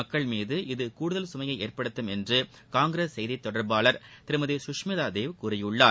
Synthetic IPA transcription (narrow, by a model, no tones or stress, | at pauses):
ɐkːɐɭmiːðɯʔɪðɯkuːɽɯðɐlsʊmɐjɐɪʔeːɾpɐɽɯt̪ːɯmɛndrɯ | kaːŋɡɪɾeːsːɛjðit̪ːɔɽɐɾbaːɭɐɾt̪ɪɾɯmɐðisʊʂmɪðaːd̪eːʋkʊɾɐjɯɭːaː